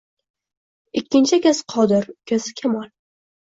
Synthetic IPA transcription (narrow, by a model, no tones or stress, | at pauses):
ɪkʲːɪnt͡ʃʰɪkʲasqʰɒd̪ɪɾkʲʰazɪkʲʰamɒlˠ